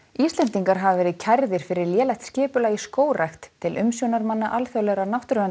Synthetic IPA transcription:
ist̪lɛnt̪iŋkaɾ̥ɦavvɛːɾɪðcʰaɾðɪɾ̥fɪɾɪɾljɛːlajt̪scɪːpʏlaɣiskoːwrajxt̪ʰːɪlʔʏmsjownaɾmanːaʔalfjœwlɛɾanawht̪ɾʏan

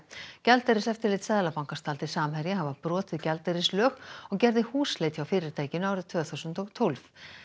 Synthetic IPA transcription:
cɛlt̪ɛɾɪsɛft̪ɪɾlɪjt̪sɛðlapawŋkast̪ʰaːlt̪ɪ̥saːmhɛɾjɪɦavapɾɔːt̪ɪðcɛlt̪ɛɾɪslœːxɔɣcɛɾðɪhuːslejt̪ʰçawfɪːɾɪɾ̥t̪ʰaːjcɪnʏaːwɾʏðt̪ʰv̥œːθuwsʏnt̪ɔɣt̪ʰolv

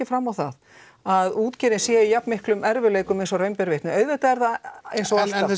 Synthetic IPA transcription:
ɪfɾamːawθa̰ð | aðuːt̪cɛːɾɪnsjɛijapnmɪhklʏmɛɾvɪleːjkʏmejnsɔrœɥmpɛɾvɪht̪nʏœɥðvɪt̪aɛɾðaejnsɔḁ

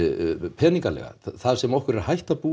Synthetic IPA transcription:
pʰɛːniŋkalɛ̰ɣa̰θaðsɛmɔhkʏɾɛɾahajht̪apu

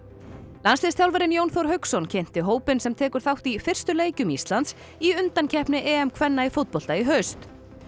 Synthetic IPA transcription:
lansɪst̪jawlvɛɾɪnjownθowɾɦœɥksɔncʰejn̥t̪ɪɦoːwpɪnsɛmt̪ʰɛːkʏɾ̥θawht̪ifɪr̥st̪ʏleːjcʏmist̪lant̪s | iʏnt̪ancʰɛhpnɪʔɛɛmkʰvɛnːaifot̪̚pɔlt̪aiɦœɥst̪

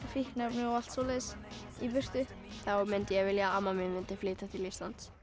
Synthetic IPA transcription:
fihknapnʏal̥t̪solɪs | ipʏr̥t̪ʏ | θawmɪnt̪ɪjɛɣvɪljaamːamɪnmɪnt̪ɪflɪːt̪at̪ʰɪlifst̪lant̪s

